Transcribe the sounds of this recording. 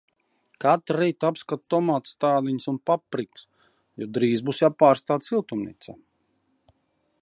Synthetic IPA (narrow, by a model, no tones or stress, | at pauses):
kat̪ɾːiːt̪apskat̪t̪ɔmaːt̪st̪aːd̪iɲsunpapɾiks | jɔd̪ɾiːzbusjawpaːɾst̪aːt̪silˠt̪umnḭt̪sɛ